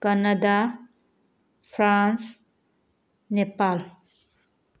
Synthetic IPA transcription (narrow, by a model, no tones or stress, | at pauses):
kanada | fʰɾans | nepal